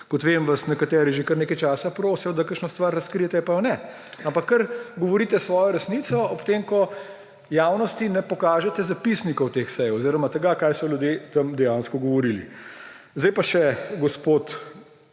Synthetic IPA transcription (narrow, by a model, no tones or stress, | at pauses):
kɔt̪ʋeːmʋasnɛkat̪ɛːɾiʒekɐɾneːkajt͡ʃaːsapɾoːsijɔd̪akəɾʃnɔst̪ʋaɾːɐskɾijɛt̪ɛpajɔnɛ | ampakːɐɾɡɔʋɔɾiːt̪ɛsʋɔːjɔɾɛsniːt̪sɔɔpt̪eːmkɔ | jaːwnɔst̪inɛpɔkaːʒɛt̪ɛzapisnikɔwt̪eːxsɛjoziːɾɔmat̪əɡakaːjsɔljud̪jet̪ɐmd̪ɛjaːnskɔɡɔʋɔɾilḭ | zd̪ɛjpaʃɛɡɔspoːt̪